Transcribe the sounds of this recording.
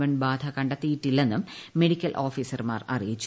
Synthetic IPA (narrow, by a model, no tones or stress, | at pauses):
ʋɐɳbaːd̪ʱɐkɐɳɖɐt̪ːijiʈːilːe̞nːumːe̞ɽikʲːɐlʔo̞ːfiːsɐrma̰ːrɐ̰rijit͡ɕːu